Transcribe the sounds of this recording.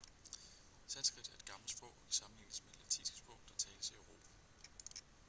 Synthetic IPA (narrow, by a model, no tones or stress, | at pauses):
sænsɡ̥ʁid̥æɐe̝d̥̚ɡ̥ɑ̈ml̩sb̥ɒʊisɑ̈mn̩len̰əsme̥læt͡sʰḭssb̥ɔ̽ʊd̥ɑ̈t͡sʰɛːləsiøʊʁo̝̰ːpʰæ